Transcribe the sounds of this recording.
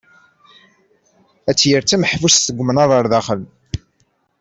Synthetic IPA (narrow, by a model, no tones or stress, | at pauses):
æt͡sːjəɾt͡sːæməħvusθəɡʷmnɑðˤəɾˤðæχəl